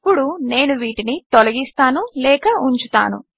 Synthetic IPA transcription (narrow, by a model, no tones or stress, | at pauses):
pːuɽune̞ːnuʋiːʈinit̪ɔlɐɡist̪aːnulɛːkɐuɲt͡ʃut̪a̰ːnṵ